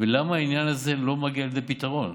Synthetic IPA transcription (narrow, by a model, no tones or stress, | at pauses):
velamaːinjanazelo̞maɡialezepit̪aʁo̞n